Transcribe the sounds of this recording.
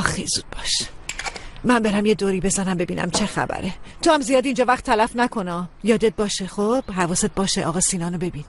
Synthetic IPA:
ɒːxezuːd̪̚bɒːʃ | mæmbe̞ɾæmje̞d̪oːɾiːbezænæmbe̞bḭːnʔæ̰mt͡ʃʰe̞xæ̰bæ̰ɾet̪ʰohæmzijɒːd̪ind͡ʒɒːvæχt̪ʰːælæfnækʰo̞nɒːjɒːd̪et̪̚bɒːʃexob̥ɦævɒːset̪̚bɒːʃeʔɒ̰ːɣɒːsiːnɒːnobe̞bin

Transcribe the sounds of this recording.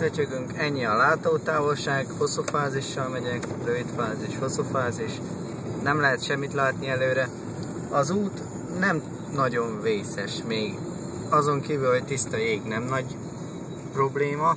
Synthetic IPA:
øt͡ʃøɡyŋkɛɲːiɒlaːt̪oːt̪aːvo̞lʃaːɡho̞sufaːziʃːɒlmɛɟɛkrøvit̪faːziʃho̞sːufaːziʃ | nɛmlɛɦɛt̪ʃɛmːit̪laːt̪niɛløːɾɛ | ɒzuːt̪ | nɛm | nɒɟo̞ɱveːsɛʃmeːɡ | ɒzo̞ŋkiːvylho̞ct̪ist̪ɒeːɡnɛmnɒɟ | pro̞bleːmɒ

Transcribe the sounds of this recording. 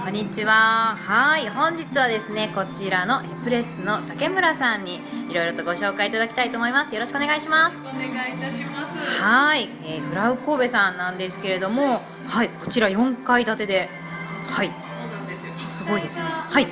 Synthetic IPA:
kõ̞ɲ̟ːit͡ɕiβahaiɦõ̞ɲ̟d͡ʑit͡sɨβad̪e̞sɨneko̞t͡ɕiɾano̞ʔepɯ̟ɾe̞sɨno̞t̪ake̞mɯ̟ɾasãɲ̟ːi | iɾo̞iɾo̞t̪o̞ɡo̞ɕo̞ːkaiːt̪ad̪akʲi̥t̪ait̪oːmo̞imasɨjo̞ɾo̞ɕi̥kɯoneɡaiɕimas | hai | eːɡɯ̟ɾaɯ̟ko̞ːbe̞sãnːãnd̪e̞sɨ̥ke̞ɾe̞d̪o̞mo̞ | haiko̞̥t͡ɕiɾajõ̞ŋkaid̪at̪e̞d̪e̞ | hai | sɨɡo̞id̪e̞sɨnehai

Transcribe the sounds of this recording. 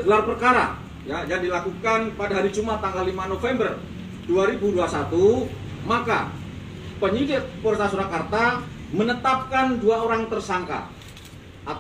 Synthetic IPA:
ɡəlarpərkaɾa̰ | jajaŋdilakukanpadaɦaɾid͡ʒumat̪aŋɡalːimanofɛmbər | duaɾibuduasat̪u | maka̰ | pəɲidɪt̪̚pərt̪asuɾakart̪amənət̪ap̚kanduaoɾaŋt̪ərsaŋka̰ | ʔat̪

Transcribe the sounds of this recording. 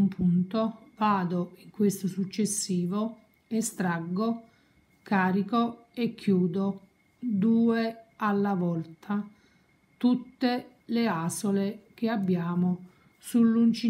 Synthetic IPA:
mpʰunt̪ovaːd̪oiŋkwest̪osut͡ʃːesːiːvo | est̪ɾaɡːo | kaːɾiko | ekːjuːd̪o | d̪uːealːavɔlt̪ʰa | t̪ut̪ːe | leaːsolek̟eabːjaːmo | sulːunt͡ʃi

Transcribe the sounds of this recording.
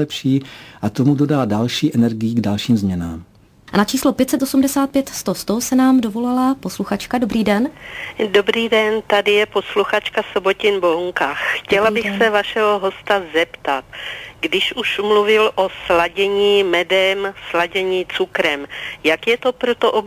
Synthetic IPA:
ɛpʃiːʔat̪o̞mudo̞daːdalʃiːʔɛnɛɾɡɪjiɡdalʃiːmzmɲɛnaːm | nat͡ʃiːslopjɛt̪sɛt̪ʔosumdɛsaːt̪̚pjɛt̪st̪ost̪osɛnaːmdovo̞lalapo̞sluxat͡ʃkado̞bɾiːdɛndobɾiːdɛnt̪adɪjɛpo̞sluxat͡ʃkasobo̞cɪnboŋkaxxcɛlabɪxsɛvaʃɛɦoɦo̞st̪azɛpt̪at̪ɡdɪʃuʃmluvɪlʔoslaɟɛɲiːmɛdɛmslaɟɛɲiːt͡sukɾɛmjakjɛt̪o̞pɾot̪oʔob

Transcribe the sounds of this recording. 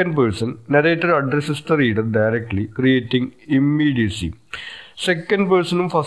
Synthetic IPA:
ɐnɖpɐːɾsɐnnɐɾeːʈːɐɾɐɖɾesɐstɨriːɖɐrɖɐjɾek̚ʈlikrijeːʈːĩŋɡimːiːɖijɐsḭsekːɐnɖpɐɾsɐnumfɐs

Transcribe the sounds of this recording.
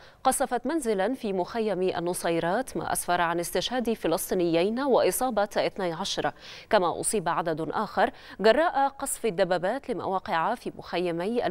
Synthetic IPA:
qɑsˤɑfɑt̪manzɪlafiːmʊxajːamʔa̰nːʊsˤɑjːɾˤɑːt̪ma̰ːʔa̰sfɑɾˤʕanɪst̪ɪʃhaːd̪fɪlɑsˤt̪ˤiːnɪjːajnwɪʔɨsˤɑːbɑɪθnajʕaʃɑɾˤkamaʔʊ̰sˤiːbʕad̪ad̪ʔaːxɑɾˤ | ɡɑrˤːɑːʔaqɑsˤfɪd̪ːabːaːbaːt̪lɪma̰waːqɪʕafiːmʊ̰xajːamajʔa̰

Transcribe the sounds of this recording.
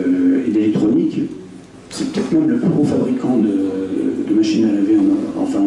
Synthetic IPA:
ed̪elɛkt̪χɔnik | sɛpə̥t̪ɛt̪χmɛmləplyɡʁofabʁikɑ̃d̪ə̰d̪əmaʃinalavɛɑ̰̃fɛ̃

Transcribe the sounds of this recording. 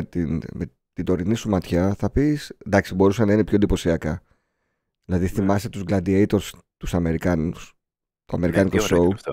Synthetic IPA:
t̪inme | t̪id̪o̞ɾinisumɐt̪çɐθɐpisend̪ɐksibo̞ɾusɐnɐine̞pçond̪ipo̞siɐkɐ | ðilɐðiθimɐset̪uzɡlɐnd̪iejt̪o̞ɾs | t̪usɐme̞ɾikɐnus | t̪oɐme̞ɾikɐnikosou

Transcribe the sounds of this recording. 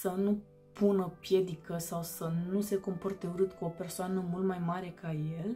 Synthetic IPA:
sənu | punəpje̞d̪ikəsawsənuse̞ko̞mport̪euɾɨt̪kuo̞pe̞rsoanəmult̪majmaɾe̞kʰaje̞l

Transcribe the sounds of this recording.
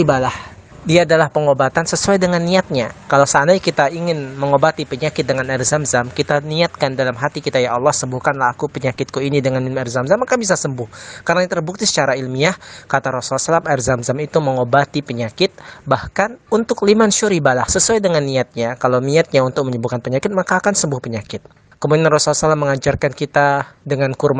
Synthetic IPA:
ibalah | diaːdalahpəŋobat̪ansəsuajdəŋanːiat̪̚ɲakalawsaːnajkit̪aiŋɪnməŋobat̪ipəɲakɪt̪̚dəŋanɛrzamzamkit̪aniat̪̚kandalamɦat̪ikit̪ajaɑlːɔhsəmbuhkanlahakupəɲakɪt̪̚kuinidəŋanilmɛrzamzamakabis̬asəmbʊhkarnaɲat̪ərbuk̚t̪isə̥t͡ʃaɾailmiahkat̪aɾɔsulasalamɛrzamzamit̪uməŋobat̪ipəɲakɪt̪̚bahkanunt̪ʊk̚limanʃuɾibalahsəsuajdəŋanːiat̪̚ɲakalawniat̪̚ɲaunt̪ʊk̚məɲəbukanpəɲakɪt̪̚makaːkansəmbʊhpəɲakɪt̪̚ | kəmudinanrɔsulasalamːəŋad͡ʒarkankit̪adəŋankurm

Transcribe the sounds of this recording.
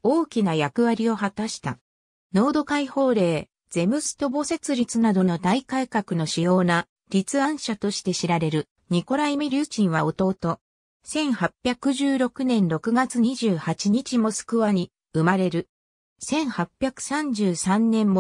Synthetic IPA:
o̞ːkʲinajakɯ̟βaɾʲio̞hat̪aɕi̥t̪a | no̞ːd̪o̞kaiho̞ːɾe̞ː | z̥e̞mɯ̟sɨ̥t̪o̞bo̞se̞t͡sɨɾʲit͡sɨnad̪o̞no̞d̪aikaikakɯ̟no̞ɕijo̞ːna | ɾʲit͡sɨãɰ̃ɕat̪o̞ɕi̥t̪e̞ɕiɾaɾe̞ɾɯ̟ | ɲ̟iko̞ɾaimɯɾʲɯːt͡ɕĩɰ̃βao̞t̪o̞ːt̪o̞ | sẽ̞ɰ̃hapʲːjakɯ̟ʑɨːɾo̞kɯ̟nẽ̞nɾo̞kɯ̟ɡat͡sɨɲ̟iʑɨːhat͡ɕiɲ̟it͡ɕimo̞sɨ̥kɯ̟βaɲ̟i | ɯ̟maɾe̞ɾɯ̟ | sẽ̞ɰ̃hapʲjakɯ̟̥sãɲ̟d͡ʑɨːsãnːẽ̞mːo

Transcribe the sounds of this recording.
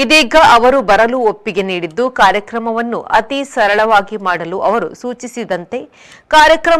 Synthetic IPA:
id̪iːɡɐʔɐʋɐɾubɐɾɐluopːiɡe̞niːɽid̪ːukaːɾjɐkɾɐmɐʋɐnːuʔɐt̪isɐɾɐɭɐʋaːɡimaːɽɐluʔɐʋɐɾusuːt͡ʃisid̪ɐnt̪e̞ | kaːɾjɐkɾɐ

